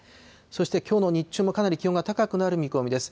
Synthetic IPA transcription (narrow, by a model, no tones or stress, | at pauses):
so̞ɕi̥t̪e̞kʲo̞ːno̞ɲ̟it͡ɕːɨːmo̞kanaɾʲikʲio̞ŋɡat̪akakɯ̟naɾɯ̟mʲiko̞mid̪e̞sɨ̥